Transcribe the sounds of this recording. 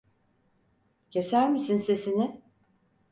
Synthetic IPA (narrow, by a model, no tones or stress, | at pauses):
cʰe̞sæɾmisinse̞sinɪ